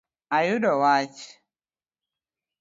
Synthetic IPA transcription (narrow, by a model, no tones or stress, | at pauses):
ajʊdɔwat͡ʃ